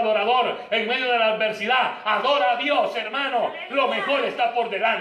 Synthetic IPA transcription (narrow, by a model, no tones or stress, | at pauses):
ðoɾaðoɾeŋmeðjoðelaːd̪̚be̞ɾsiðaaðoɾaðjoseɾmãno | lo̞mexo̞lest̪apoɾðelan